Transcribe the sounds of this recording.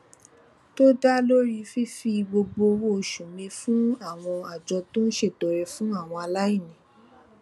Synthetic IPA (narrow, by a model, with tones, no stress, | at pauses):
to˦da˦lo˦ɾi˧fi˦fi˧ɡ͡bo˧ɡ͡bo˧wo˧˨ʃũ˨mĩ˧fũ˦a˦˨w̃ɔ̃˧a˨d͡ʒɔ˧to˦n̩˦ʃe˦˨tɔ˨ɾɛ˧fũ˦a˦˨w̃ɔ̃˧a˧la˦i˦˨nĩ˨˦